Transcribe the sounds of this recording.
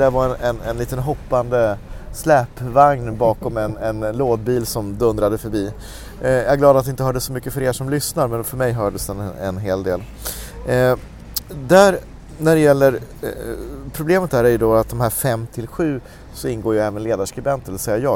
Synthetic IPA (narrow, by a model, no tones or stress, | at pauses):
d̪æɾvaɾɛnɛnɛnliːt̪ənɦɔpːand̪əslɛːpːvaŋnbɑːkɔmɛnɛnloːd̪̚biːlsɔmd̪ɵnd̪ɾad̪əfœɾbiː | jɑɡlɑːd̪at̪d̪ɪɪnt̪əhːɖɛsːɔmʏkːəfœɾeːʂɔmlʏsnaɾmɛnfœɾmɛjɦœːɖəsd̪ɛnɛ̰nɦeːld̪ḛːl | d̪æɾ | næɖɛjɛlːəɾ | pʰɾʊbleːmət̪̚d̪æːɾæɾjɵd̪ɔat̪̚d̪ɔmɦæːɾfɛmːt̪ʰɪlɧʉ̟ː | sɔɪnɡoːɾjɵɛːvənleːd̪aʂkɾɪbɛnt̪əɛɛsɛjːajɑː